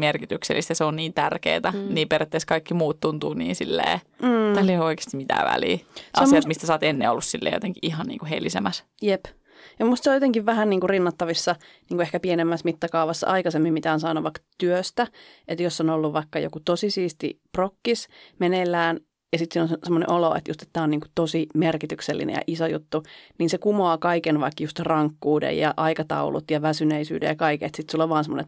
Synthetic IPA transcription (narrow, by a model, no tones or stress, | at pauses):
merkit̪yksḛlːist̪ɑseonniːnt̪ærkḛːt̪æniːperet̪ːeˑskɑikːimuːt̪t̪unt̪uːnḭːnsḭlːḛː | mm̩ːɑlːeoike̥ːst̪imit̪æ̰ːʋæ̰lḭːʔsɑesiɑt̪mist̪æsɑːt̪enːḛo̰lːussilːḛːjo̰t̪eŋkiʔihɑnnḭːŋkuhḛlisḛmæs | jep | jɑmust̪seojot̪eŋkiʋʋæhænniːŋkurinːɑt̪ːɑʋisːɑniːŋkuehkæpienemːæsmit̪ːɑkɑuʋɑsːɑ̰ʔɑikɑsemːimmit̪æonsɑːnuʋɑikːɑt̪yøst̪æʔet̪josːonolːuʋʋɑikːɑjo̰kut̪osisiːst̪ḭprokːismenelːæːn | jɑsit̪siːnonsemːonḛʔoloḛt̪jṵst̪e̥t̪ːæːoniːŋku̥t̪osimerkit̪ykselːḭnḛjɑ̰ʔisojṵt̪ːuniːnsekumoɑːkɑikenʋɑikːjust̪rɑŋkːuːdḛjjɑ̰ʔɑikɑt̪ɑ̰ulṵt̪jɑʋæsyneisy̰ːdḛjɑkɑikḛt̪sit̪sulːoʋʋɑːnsemːo̰nḛ